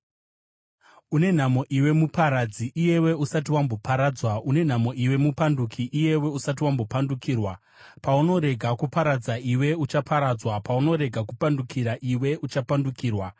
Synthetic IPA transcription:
une̞n̤amo̞ʔiwe̞mupaɾad͡ziʔije̞we̞usat̬iwambo̞paɾad͡zwaune̞n̤amo̞ʔiwe̞mupandukʰiʔije̞we̞usat̬iwambo̞pandukiːrwa | pauno̞ɾe̞ɡʱakupaɾad͡zaiwe̞ut͡ʃapʰaɾaːd͡zwapauno̞ɾe̞ɡʱakupandukiɾaʔiwe̞ʔut͡ʃapandukiːrwa

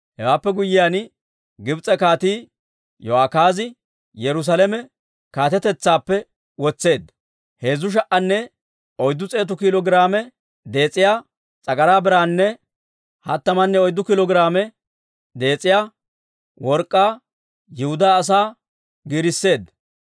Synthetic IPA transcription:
hɛwaːpːɛɡʊjːɪjan | ɡɪbt͡sʼɛkaːt̪iː | jɔhaːkaːzɪ | jɛɾʊs̬alɛmɛ | kaːt̪ɛt̪ɛt͡sːaːpːɛ | wɔt͡sːe̞ːd̪ | he̞ːzːʊʃ̬ɐʔɐnːɛ | ɔjd̪ːʊt͡sʼe̞ːt̪ʊkɪlɔɡɪɾaːmɛ | d̪e̞ːt͡sʼːɪjaː | t͡sʼɐɡɐɾaːbɪɾaːnːɛ | hɐ̰t̪ːɐmɐnːɛɔjd̪ːʊkɪlɔɡɪɾaːmɛ | d̪e̞ːt͡sʼːɪjaː | wɔɾkʼːaː | jɪhʊd̪aːs̬aː | ɡiːɾɪsːe̞ːd̪

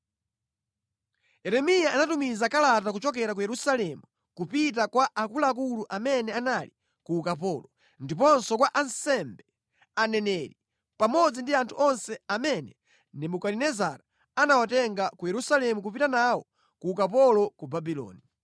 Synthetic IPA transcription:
jɛɾɛmijaːnatumizakalatak̬ut͡ʃɔk̬ɛɾak̬ujɛɾusalɛmu | kupit̬akwaʔakulak̬uluʔamɛnɛanali | kuːkapɔlɔ | ndipɔnsɔkwaʔansɛmbɛ | anɛnɛɾi | pamɔd͡zindiantʰuɔnsɛamɛnɛ | nɛmukalinɛzaɾa | anawatɛŋɡakujɛɾusalɛmuk̬upitanawɔ | kuːkapɔlɔkubabilɔ̰ːni

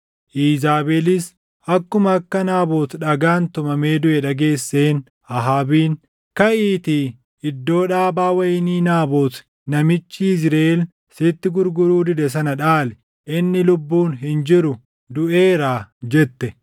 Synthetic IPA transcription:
ʔiːzaːbelɪs | ʔɐkːʊmɐːkːɐnaːboːt̪ᶑɐɡaːnt̪ʊmɐme̞ːd̪ʊʔɛᶑɐɡe̞ːsːe̞ːn | ʔɐɦaːbiːn | kɐʔiːt̪i | ɪd̪ːo̞ːᶑaːbaːwɐjɪniːnaːboːt̪ | nɐmɪt͡ʃːizɾel | sɪt̪ːɪɡʊɾɡʊɾuːd̪ɪd̪ɛs̬ɐnɐᶑaːlɛ | ʔɪnːɪlʊbːuːnɦɪnd͡ʒɪɾʊ | d̪ʊʔe̞ːɾaːd͡ʒɛt̪ːɛ

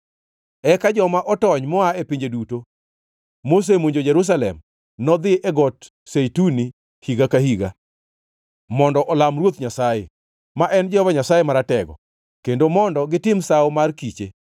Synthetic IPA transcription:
ɛkad͡ʒɔmaʔɔtɔɲmɔaepiɲd͡ʒeduto | mos̬emoɲd͡ʒod͡ʒɛɾus̬alɛ̰m | nɔd̪ɪʔɛɡɔt | sejtuni | hiɡakahiɡa̰ | mɔndɔʔɔlamrwot̪ɲasajḛ | maʔɛnd͡ʒɔvaɲasajemaɾatɛɡɔ̰ | kendomɔndɔɡɪtɪmsawmarkit͡ʃe

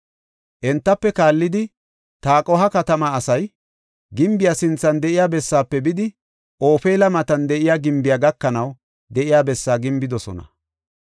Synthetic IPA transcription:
ʔɛnt̪ːɐpːɛkaːlːɪd̪ɪ | t̪aːkʼɔɦɐkɐt̪ɐmɐːsɐj | ɡɪmbɪjasɪnt͡sːɐnd̪ɛʔɪjaːbɛsːaːpːɛbɪd̪ɪ | ʔo̞ːfeːlɐmɐt̪ɐnd̪ɛʔɪjaːɡɪmbɪjaːɡɐkːɐnɐw | d̪ɛʔɪjaːbɛsːaːɡɪmbɪd̪ɔsɔ̰nɐ̰

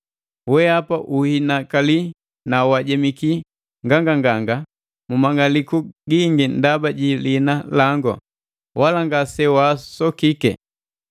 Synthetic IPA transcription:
wɛapaʔuhinakali | nawaɟɛmiki | ŋɡaŋɡaŋɡaŋɡa | mumaŋɡalikuɡiŋɡindabaɟilinalaŋɡɔ̰ | walaŋɡasɛwasɔkikɛ̰

